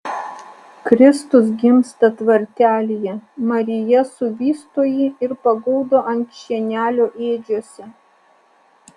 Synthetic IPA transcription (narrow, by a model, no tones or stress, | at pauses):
kɾʲɪst̪ʊs̬ɡʲɪmst̪ɐt̪ʋɐɾʲt̪ʲæːlʲɪjɛmɐɾʲɪjɛsʊʋʲiːst̪oːjiːɪɾpɐɡɔʊd̪oːʔɐŋʲkʲʃʲinʲæːlʲoːʔeːd͡ʒʲuɔsʲɛ